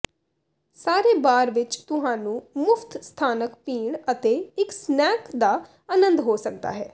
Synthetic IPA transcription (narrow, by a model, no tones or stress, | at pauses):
saːɾeːbaːɾʋɪt͡ʃt̪ʊɦãːnũːmʊpʰt̪st̪ʰaːnəkpiːɳət̪eːɪksnɛːkd̪aː | aːnənd̪ɦoːsək̚d̪a̰ːɦɛː